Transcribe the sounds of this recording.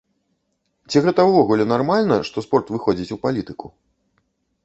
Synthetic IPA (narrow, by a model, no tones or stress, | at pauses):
t͡sʲiɣɛt̪ɐwvɔɣulʲɛnarmalʲnɐʂt̪ɔspɔrt̪vɨxɔd͡zʲit͡sʲupalʲit̪ɨku